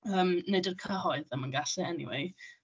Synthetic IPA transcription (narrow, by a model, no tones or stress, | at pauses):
əːmnedərkʰəhɔɨðəmənɡaɬɛɛnḭwḛɨ